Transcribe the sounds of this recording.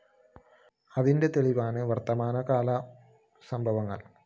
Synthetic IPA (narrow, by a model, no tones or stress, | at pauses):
ɐðinde̞t̪e̞ɭiʋaːnɨʋɐrt̪ːɐmaːnɐkaːlɐ | sɐmbʱɐʋɐŋːɐ̰ɭ